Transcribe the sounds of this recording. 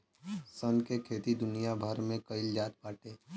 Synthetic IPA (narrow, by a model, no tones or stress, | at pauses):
sənkekʰeːt̪id̪ʊnijabʱəɾmẽkɐɪld͡ʒaːt̪̚paːʈeː